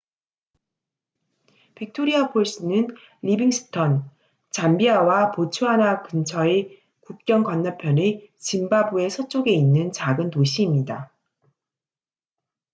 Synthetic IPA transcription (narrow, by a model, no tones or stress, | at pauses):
pik̚tʰoɾiapʰoɭs͈ɯnɯn | ʎibiŋsʰɯ̥tʰʌn | t͡ɕambiawapot͡ɕʰuɦanakɯnt͡ɕʰʌe | kuk̚k͈jʌŋkʌnːapʰjʌnet͡ɕimbabue̞sʰʌt͡ɕ͈oɡe̞inːɯnt͡ɕaɡɯntoɕʰiːmɲida